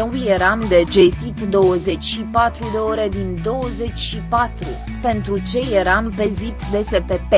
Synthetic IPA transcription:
eulje̞ɾamd̪e̞d͡ʒe̞sit̪d̪o̞wəze̞t͡ʃʲʃipat̪ɾud̪e̞o̞ɾe̞d̪ind̪o̞wəze̞t͡ʃʲʃipat̪ɾu | pe̞nt̪ɾut͡ʃe̞je̞ɾampe̞zit̪d̪e̞se̞pe̞pe

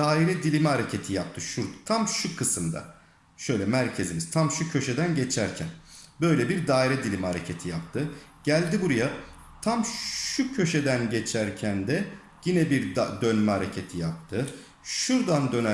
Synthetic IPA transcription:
d̪aːiɾɛd̪ilʲimɛhaɾecʰe̞t̪ʰijap̚t̪ʰɯʃuɾt̪ʰamʃukʰɯsɯmd̪a̰ | ʃø̞jlʲɛmæɾcʰe̞zimiz̥t̪ʰamʃucʰø̞ʃed̪ænɟe̞t͡ʃʰæɾcʰænbø̞jlʲɛbiɾd̪aːiɾɛd̪ilʲimhaɾe̞cʰe̞t̪ʰijap̚t̪ʰɯ | ɟ̥ælʲd̪ibuɾaja | t̪ʰamʃucʰø̞ʃe̞d̪ænɟet͡ʃʰæɾcʰænd̪ɛ | jinɛbiɾd̪ønmɛɦaɾe̞cʰe̞t̪ʰijap̚t̪ʰɯ | ʃuɾd̪and̪ø̞næ

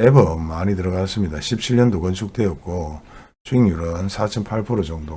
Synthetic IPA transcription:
ebʌmːaɲitɯɾʌɡas͈ɯmɲidaɕʰip̚t͡ɕʰiɭɲʌndokʌnt͡ɕʰuk̚t͈e̞ʌk̚k͈o | t͡ɕuiŋjuɾʌnsʰat͡ɕʰʌmpʰaɭpʰoɾod͡ʑʌŋdo

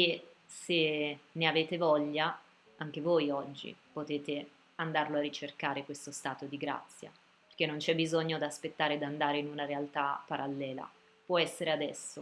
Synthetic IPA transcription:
e | seneaveːt̪evɔʎːa | aŋk̟evojɔd͡ʒːḭpot̪eːt̪e | and̪arloarːit͡ʃerkaːɾekwest̪ost̪aːt̪od̪iɡɾa̰t̪sːja̰ | perk̟enːont͡ʃɛbːizoɲːod̪aspet̪ːaːɾed̪and̪aːɾeinunaɾealt̪apaɾʔalːɛːla̰ | pwɔɛsːeɾead̪ɛ̰sːo

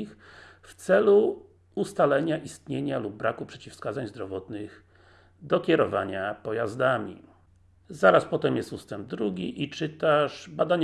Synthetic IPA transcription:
ixft̪sɛlu | ust̪alɛɲaʔist̪ɲeɲalub̚ːɾakupʂɛt͡ɕifskad̪zaɲzd̪ɾɔvɔt̪nɘɣ | d̪ɔkʲɛɾɔva̰ɲapɔjazd̪amʲḭ | zaɾaspɔt̪ɛmjɛst̪ust̪ɛmb̚d̪ɾuɡʲiʔit͡ʂɘt̪aʂbad̪aɲ

